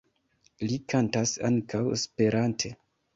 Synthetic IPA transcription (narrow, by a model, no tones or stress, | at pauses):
likʰantasaŋkʰawspe̞ɾantʰe̞